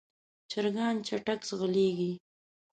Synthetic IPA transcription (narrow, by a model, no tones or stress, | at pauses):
t͡ʃaɾɡɑnt͡ʃaʈaksɣəleɡi